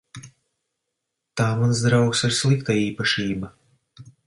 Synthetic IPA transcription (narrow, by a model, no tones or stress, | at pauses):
t̪aːmansd̪ɾawksaɾslˠikt̪aiːpaʃiːba